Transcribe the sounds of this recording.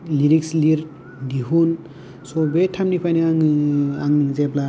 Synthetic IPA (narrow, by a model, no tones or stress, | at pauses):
liɾiksliɾ | diɦun | sɔbetʰamnipʰajniaŋaŋzebla